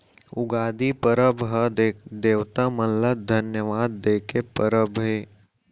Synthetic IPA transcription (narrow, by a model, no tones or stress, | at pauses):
ʊɡaːd̪ipəɾəbɦəd̪eːʋt̪amɐnləd̪ʱɐnjəʋaːd̪ːeːkepəɾəbɦeː